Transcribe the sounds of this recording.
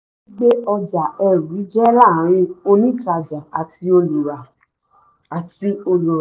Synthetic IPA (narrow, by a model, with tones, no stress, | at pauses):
i˦ɡ͡be˦ɔ˧d͡ʒa˨ɛ˨ɾũ˨˦d͡ʒɛ˦ɾa˦˨˦ɾ̃ĩ˧o˧nĩ˦ta˧d͡ʒa˨a˨tʰi˧˦o˧lu˨ɾa˨ | a˨ti˧o˧lu˨ɾa˨